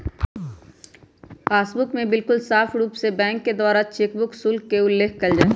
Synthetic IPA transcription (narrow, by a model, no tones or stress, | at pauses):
aːsbʊkmẽbɪlkʊlsaːfʰɽuːpsebɛ̃ːŋkːed̪waːɾat͡ʃeːkbʊksʊlkːeʊlːeːkʰkɐld͡ʒaːe